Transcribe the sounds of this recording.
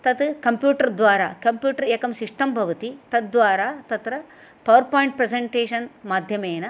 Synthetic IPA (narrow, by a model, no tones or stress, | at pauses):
t̪ɐt̪kɐmpjuːʈɐɾd̪ʋaːɾaːkɐmpjuːʈɐɾeːkɐmsiʂʈɐmbʱɐʋɐt̪it̪ɐt̪̚d̪ʋaːɾaːt̪ɐt̪ɾɐ | pɐʋɐɾpaːjiɳʈ̚pɾeseɳʈeːʂɐnmaːd̪ʱjɐmeːnɐ